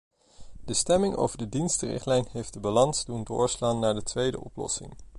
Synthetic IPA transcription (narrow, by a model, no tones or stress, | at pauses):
d̥əstɛmɪŋʔo̰wvəɹdədinstərɪ̰χtlɛjnɦejfdəbalɑnsdundʊ̰ːɹslaːnːaːɹdətʋejdə̰ʔɔ̰plɔ̰sɪ̰ŋ